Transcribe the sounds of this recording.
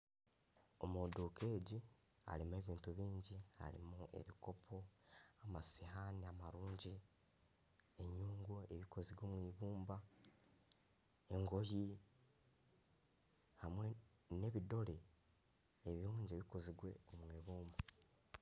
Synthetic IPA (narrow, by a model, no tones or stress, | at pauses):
omodukeːɟi | a̰ɾimue̞βiːntuβiːɲɟiha̰ɾḭmue̞̰βiko̞pʰo̞amasihaniamaɾuːɲɟi | eɲuːŋɡwoe̞βiko̞ziɡoːmwiːβuːmba | e̞ŋɡo̞ji | hamwe | ne̞βido̞ɾe̞ː | βiɾuːɲɟeβiko̞ziɡwe̞̰omwiːβuːmba